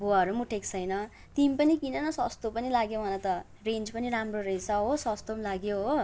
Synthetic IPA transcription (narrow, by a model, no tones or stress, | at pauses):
boaɦʌɾumuʈʰekt͡sʰʌjnʌ | t̪impʌnikinʌnʌsʌst̪opʌnilaɡjobʱʌnʌt̪ʌ | rend͡zpʌniɾamroɾesʌɦosʌst̪omlaɡjoɦo